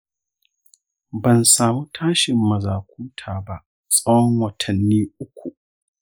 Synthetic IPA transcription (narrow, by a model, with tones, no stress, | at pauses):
bɐ˨nsaː˨muː˦tʰaː˦ʃɪ˨mːɐ˨zaː˨kʷuː˦tʰaː˨ba˦ʔ | sʼɐ˦wɔ˦ŋwɐ˨tʰɐ˨nːiː˦ʔʊ˦kʷʰu˨ʔ